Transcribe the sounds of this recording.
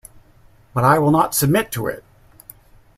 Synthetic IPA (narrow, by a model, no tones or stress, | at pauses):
b̥ʌɾaɪwɪlˠnətsɨb̚mɪtʰəɪ̰t̚